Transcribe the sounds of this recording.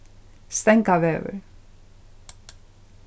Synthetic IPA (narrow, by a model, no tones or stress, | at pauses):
st̪ɛŋkavɛːvʏ̰ɾ